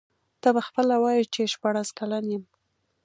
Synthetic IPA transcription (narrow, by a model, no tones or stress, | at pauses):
t̪ɑbaxpəlawɑjt͡ʃeʃpɑɽaskalanjəm